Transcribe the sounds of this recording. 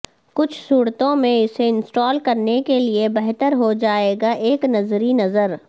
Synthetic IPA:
kʊt͡ʃʰsuːɽt̪õmẽɪseɪ̃nsʈɔːlkɐɾnekeliebɛɦt̪əɾɦod͡ʒaːeːɡaʔeːknɐzɾinɐzəɾ

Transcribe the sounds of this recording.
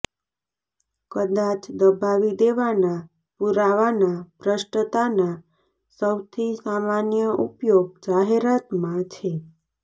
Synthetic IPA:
kəd̪at͡ʃd̪əbʱaʋid̪eʋana | puɾaʋanapɾəʃʈət̪ana | səwt̪ʰisamanjəʔupjoɡ̚d͡ʒaɦeɾat̪mãt͡ʃʰe

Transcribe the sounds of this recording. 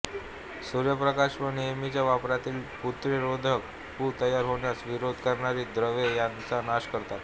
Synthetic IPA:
suɾjəpɾəkaɕʋənijəmit͡ɕjaʋapɾat̪iːlput̪ɾeɾod̪ʱək | puːt̪əjaɾɦoɳjat͡sʋiɾod̪ʱkəɾɳaɾiːd̪ɾəʋejant͡sanaɕkəɾt̪at̪

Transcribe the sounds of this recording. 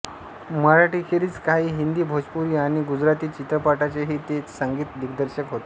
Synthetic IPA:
məɾaʈiːkʰeɾiːt͡skaɦiːɦind̪iːbʱod͡ʑpuɾiːaɽ̃iɡud͡zɾat̪iːt͡ɕit̪ɾəpaʈat͡ɕeɦiːt̪et͡ssəŋɡiːt̪d̪ikd̪əɾɕəkɦot̪e

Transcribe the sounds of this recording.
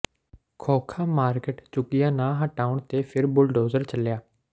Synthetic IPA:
kʰoːkʰaːmaːɾkeʈt͡ʃʊkɪjãːnãːɦəʈaːʊɳt̪eːpʰɪɾbʊlɖoːzəɾt͡ʃəljaː

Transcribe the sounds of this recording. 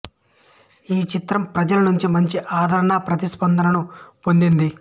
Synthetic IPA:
iːt͡ʃit̪ɾɐmpɾɐd͡ʒɐlɐnuɲt͡ʃimɐɲt͡ʃiʔaːd̪ʱɐɾɐnaːpɾɐt̪ispɐnd̪ʱɐnɐnupo̞nd̪ind̪i

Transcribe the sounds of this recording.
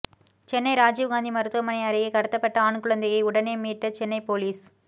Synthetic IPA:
t͡ʃɛnːɐɪɾaːd͡ʒiːʋɡaːnd̪imɐɾɯt̪ːʊɣɐmɐnɐɪɐɾɪɣɐɪkɐɽɯt̪ːɐpːɐʈːɐaːɳkɯɭɐnd̪ɐɣɐɪʊɽɐneːmiːʈːɐt͡ʃɛnːɐɪpoːliːs

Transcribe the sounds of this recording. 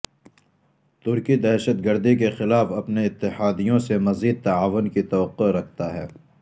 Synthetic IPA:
t̪ʊɾkid̪ɛːʃət̪ɡəɾd̪ikexɪlaːfɐpneɪt̪ːɪhaːd̪ijõsemɐziːd̪̚t̪ɐaːʋʊnkit̪ɐːəqːiɾɐkʰt̪aɦɛ̰ː

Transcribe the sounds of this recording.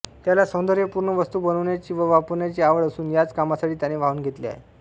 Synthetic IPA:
t̪jalasəwnd̪əɾjəpuɾɳəʋəst̪uːbənəʋɳjat͡ɕiːʋəʋapəɾɳjat͡ɕiːaʋəɭəsuːnjat͡skamasaʈʰiːt̪janeʋ̤auːnɡʱet̪lḭa̰ɦḛ

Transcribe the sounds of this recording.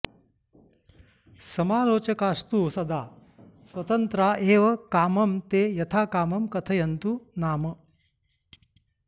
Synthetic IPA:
sɐmaːloːt͡ʃɐkaːst̪usɐd̪aː | sʋɐt̪ɐnt̪ɾaːʔeːʋɐkaːmɐmt̪eːjɐt̪ʰaːkaːmɐmkɐt̪ʰɐjɐnt̪unaːmɐ

